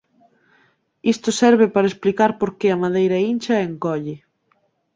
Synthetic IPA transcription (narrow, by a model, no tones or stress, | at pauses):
ist̪ʊsɛɾβɪpaɾɐesplikaɾpoɾkeɐmaðejɾɐint͡ʃɐeŋkɔʎɪ